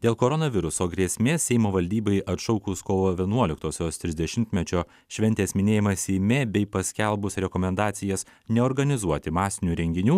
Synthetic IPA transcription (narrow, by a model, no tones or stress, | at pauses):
d̪ʲeːlˠkoːɾɔnɐʋʲɪɾʊsoːɡɾʲiɛsʲmʲeːsʲɛɪmoːʋɐlʲd̪ʲiːbɐɪʔɐt̪ʃɔʊkuːskoːʋoːʋʲiɛnuɔlʲɪkt̪oːsʲoːst̪ʲɾʲɪzʲd̪ʲɛʃʲɪmʲt̪ʲmʲɛt͡ʃʲoː | ʃʲʋʲɛnʲt̪ʲeːsmʲɪnʲeːjɪmɐsʲɛɪmʲeːbʲɛɪpɐsʲkʲɛlˠbʊsɾʲɛkomʲɛnd̪ɑːt̪sʲɪjɛs | nʲɛɔːɾɡɐnʲɪzuɔt̪ʲɪmɑːsʲɪnʲuːɾʲɛŋʲɡʲɪnʲuː